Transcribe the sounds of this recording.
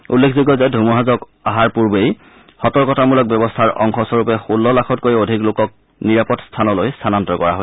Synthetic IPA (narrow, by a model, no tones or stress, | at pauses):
ulːekʰziɡɔzɛdʱumuɦazɔk | aɦaɹpuɹbej | xɔtɔɹkɔtamulɔk̚bɛbɔstʰaɹʔɔŋxʰɔsɔɹupɛxulːɔlakʰɔtkoɹiodʱiklokɔk̚ | niɹapɔtstʰanɔlojstʰanantɔkɔɹa̰ɦoj